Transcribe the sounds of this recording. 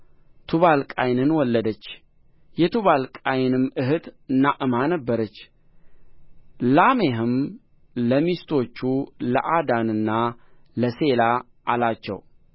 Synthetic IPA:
t̪ʰuβalkʼajnɨnwɔlːəd̪ət͡ʃː | jɛt̪ʰuβalkʼajnɨmɨɦɨt̪naʔɨmanəbːəɾət͡ʃː | lameɦɨm | ləmist̪ʰo̞t͡ʃːulə̰ʔad̪anɨnːaləsela | ʔalat͡ʃːɛ̰w

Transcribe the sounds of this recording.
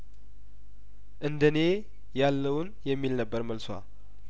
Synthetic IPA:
ʔɨnd̪əne̞ | jalːəwnjɛmːilnəbːəɾməlswa̰

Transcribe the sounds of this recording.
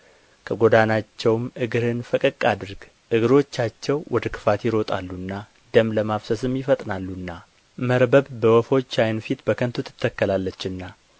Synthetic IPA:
kʰəɡo̞d̪anat͡ʃːɛwmɨɡɨɾɨnfəkʼəkʼːad̪ɨɾɡ | ʔɨɡɨɾo̞t͡ʃːat͡ʃːɛwwɔd̪əkʰɨ̥fat̪jɪɾo̞t̪ʼa̰lːunːa | d̪əmləmafsəsɨmjɪfət̪ʼnalːuɨnːa | məɾbəbbəwɔfo̞t͡ʃːajnfit̪bəkʰənt̪ʰut̪ʰːɨ̥t̪ʰːəkːəlalːət͡ʃːɨnːa

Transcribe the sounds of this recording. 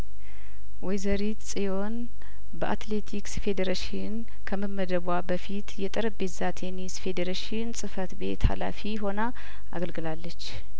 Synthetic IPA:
wɔjzəɾit̪sʼijo̞n | bəʔat̪le̞t̪ʰiksfe̞d̪eɾaʃɪn | kʰəməmːəd̪əβwabəfit̪jɛt̪ʼəɾəbezat̪ʰenisfe̞d̪eɾaʃɪnsʼɨfət̪be̞̰t̪ha̰la̰fiɦo̞na | aɡəlɡɨlalːət͡ʃː

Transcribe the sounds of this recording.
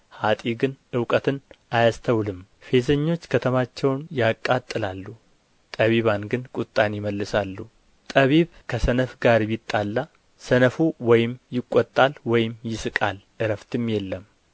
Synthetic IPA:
hat̪ʼiɡɨnɨwkʼət̪ʰɨnajast̪ʰəwlɨmfe̞zəɲːo̞t͡ʃːkʰət̪ʰəmat͡ʃːɛwnjakʼːat̪ʼːɨlalːu | t̪ʼəβiβanɡɨnkʼut̪ʼːanjɪməlːɨsalːu | t̪ʼəβiβkʰəsənəfɡaɾbɪt̪ʼːalːa | sənəfuwɔjɪmjɪkʼːɔt̪ʼːalwɔjɪmjɪsɨkʼalʔɨɾəft̪ʰɨmjɛlːəm

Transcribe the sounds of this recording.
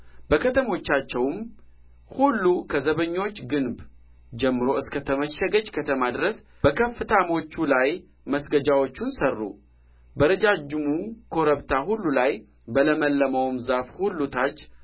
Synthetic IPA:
b̥əkʰət̪ʰəmo̞t͡ʃːat͡ʃːɛwm | hulːukʰəzəβəɲːo̞t͡ʃːɡɨnb | d͡ʒɛmːɨɾo̞ɨskət̪ʰəməʃəɡəd͡ʒkʰət̪ʰəmad̪ɾəs | b̥əkʰəfːɨt̪ʰamo̞t͡ʃːulaj | məsɡəd͡ʒawo̞t͡ʃːunsərːṵ | bəɾəd͡ʒad͡ʒːɪmukʰo̞ɾəβt̪ʰahulːulaj | bələməlːəməwmzafhulːut̪ʰat͡ʃː

